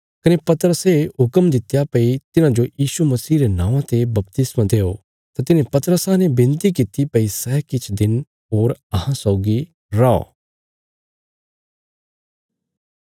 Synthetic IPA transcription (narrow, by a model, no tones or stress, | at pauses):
kɐnepɐt̪əɾəseɦʊkəmd̪ɪt̪japɐit̪ɪnãd͡ʒojiːʃumɐsiːɾenãːʋãt̪ebɐpt̪ɪsmãd̪eːo | t̪at̪ɪnẽpɐt̪ɾəsãnebɪ̃nt̪ikɪt̪ipɐisɛːkɪt͡ʃʰd̪ɪn | ɦoːɾɐɦãsɔːɡi | ɾao̰